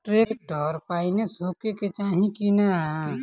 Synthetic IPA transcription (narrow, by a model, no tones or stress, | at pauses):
ʈɾeːk̚ɖʱɔːɾpaːinesoːkeket͡ʃaːɦĩkinaɦ